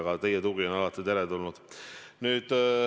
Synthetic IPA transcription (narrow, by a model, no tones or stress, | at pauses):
ɡɑt̪e̞jet̪uɡionɑlɑt̪ːˑit̪eɾet̪ulnud̪̥nyːd̪̥